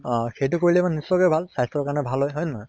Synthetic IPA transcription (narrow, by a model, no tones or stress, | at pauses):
xejtʊkoɹilɛmanisːɔkɔjbʱalsajstɔɹkaɹnɛbʱalɦɔjɦɔjna